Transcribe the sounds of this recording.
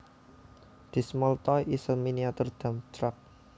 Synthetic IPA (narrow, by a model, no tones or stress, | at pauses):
d̪̥i̤smɔlt̪ɔiʔisəlminiat̪ʊrd̪̥a̤mt͡ʃɾak̚